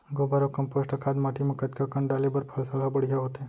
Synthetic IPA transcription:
ɡobaɾokəmposʈəkʰad̪maʈimãkət̪kakəɳɖalebəɾpʰəlsalabəɽijaɦot̪e

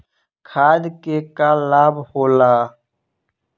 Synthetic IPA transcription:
kʰaːd̪kekalaːbhoːlaː

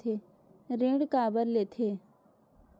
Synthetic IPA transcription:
e | ɾẽːɽkaːbəɾleːt̪ʰeː

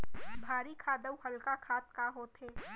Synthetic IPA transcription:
bʱaːɾikʰaːd̪əwɦəlkakʰaːt̪̚kaɦoːt̪ɦeː

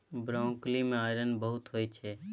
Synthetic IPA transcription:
bɾãːklimẽaːɪɾənbəɦʊt̪ɦoːit͡ʃʰeː

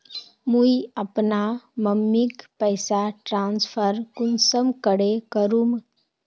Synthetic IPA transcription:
muiəpnaməmːikpəɪsaʈɾãːnspʰəɾkʊnsəmkəɽekəɾum

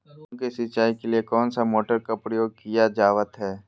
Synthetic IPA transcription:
kesɪt͡ʃaːikeliekɔːnsamoːʈəɾkapɾəjoːɡ̚kijad͡ʒaːʋət̪ɦɛː

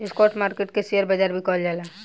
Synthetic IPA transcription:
ɪskɔːɾʈmaːɾkeʈ̚keseəɾbəd͡ʒaɾbʱikɔld͡ʒaːla

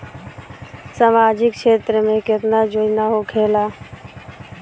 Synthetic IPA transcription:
saːmaːd͡ʒɪkʃeːt̪ɾəmẽkɪt̪naːd͡ʒoːd͡ʒnaːɦoːkʰeːlaː

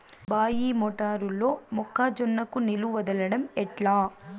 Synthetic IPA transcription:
baːjiːmɔʈaːɾulːoːmɔkːaːd͡ʒɔnːɐkuniluʋɐd̪ɐlɐɽɐmɛʈɭaː

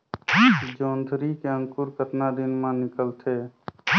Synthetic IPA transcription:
d͡ʒond̪ʱɾikeəŋkuɾkəʈnad̪inmãnɪkəlt̪ʰe

